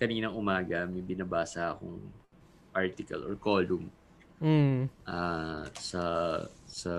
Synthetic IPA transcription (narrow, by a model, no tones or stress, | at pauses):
kɐniːnɐŋʔʊmaːɡɐmɛbɪnabaːsɐʔɐko̰ŋ | paɹt̪ɪkɐ̰lʔɔ̰ɹkoːlʊm̩ | ʔasɐ | sɐ